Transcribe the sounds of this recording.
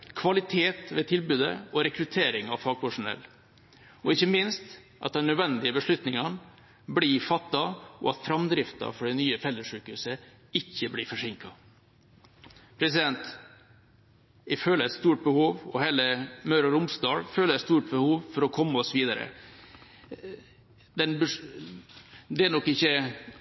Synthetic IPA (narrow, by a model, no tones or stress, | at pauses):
kʰʋɑlɪt̪ʰeːt̪ʋɛt̪ʰɪlbʉːd̪ə̰ɔɾɛkɾʉt̪ʰeːɾɪŋɑʋfɑɡ̚pʊʂʊnɛ̰lː | ɔɪçːəmɪnst̪ | ʔɑt̪̚d̪ɛnːœd̪ʋɛnd̪ɪəbəʂɭʉt̪nɪŋɑn | bliːfɑt̪ːɑɔ̰ɑt̪fɾɑmd̪ɾɪft̪ɑ̰fɔɖɛnyːəfɛlːəʂʉːkʉsə | ɪçːəblifɔʂɪŋkɑ | pʰɾɛsɪd̪ɛnt̪ | ɪføːləɾɛt̪st̪uːʈ̚bəhuːʋɔheːləmœɾɑɾʊmsd̪ɑːlføːləɾɛst̪uːʈ̚bəhuːʋfɔɾɔkʰɔmːəɔsʋiːd̪ɑɾə̰ | d̪ɛnbə | d̪ɛæɳɔkːɪçːə